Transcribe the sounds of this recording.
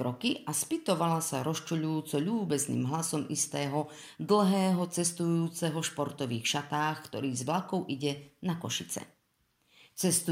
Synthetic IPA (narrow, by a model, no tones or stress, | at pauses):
ɾɔkiʔaspit̪ɔʋalasaɾɔst͡ʃuʎujuːt͡sɔʎuːbɛznḭːmɦlasɔmʔist̪ɛːɦɔ | d̪l̩ˠɦɛːɦɔt͡sɛst̪ujuːt͡sɛɦɔʃpɔɾt̪ɔʋiːxʃat̪aːxkt̪ɔɾiːzʋlakɔʊʔiɟɛnakɔ̰ʃit͡sɛ̰ | t͡sɛst̪u